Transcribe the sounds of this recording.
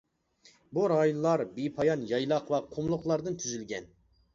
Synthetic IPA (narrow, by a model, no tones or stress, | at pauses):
buɾɑjunlˠɑɾbipʰɑjɑnjɑjlˠɑqvɑqʰʊmlˠʊqlˠɑɾd̪ɨnt̪ʰyzylɡʲɛn